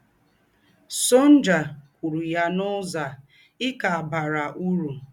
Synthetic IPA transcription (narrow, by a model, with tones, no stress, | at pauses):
so˦n̩˦d͡ʒa˨kʷu˨ɾu˨ja˦nʊ˦za˨ | ɪ˦ka˨ba˨ɾa˨ʔu˦ɾu˨